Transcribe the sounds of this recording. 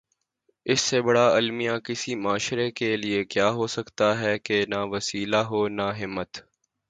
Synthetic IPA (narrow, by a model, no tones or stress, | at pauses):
ɪsːebɐɽaɐlmijãkɪsimaːʃɾekeliekjaːɦosɐkt̪aɦɛkenaʋɐsiːlaɦoːnaɦɪmːət̪